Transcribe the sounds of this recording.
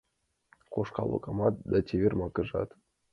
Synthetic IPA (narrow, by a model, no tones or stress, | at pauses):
qoʃkɑlˠo̰kɑmɑt̪̚d̪ɑtʲevʲerʲmɑkɤ̆ʐɑ̰t̪